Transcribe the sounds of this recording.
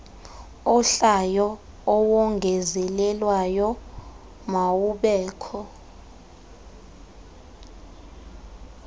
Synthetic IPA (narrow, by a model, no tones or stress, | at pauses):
ɔɬajɔ | ɔwɔŋɡʱɛzɛlɛlwajɔ | mawuɓɛːkʰɔ